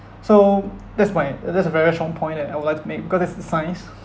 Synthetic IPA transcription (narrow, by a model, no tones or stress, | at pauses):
sodɛtspɔ̃ɪ̃ntdɛtsəvɛɹistɹɔ̃ŋpʰɔ̃ɪ̃nɛajwudlaɪktʰumek̚bikɔsɛtsdəsãɪ̃ns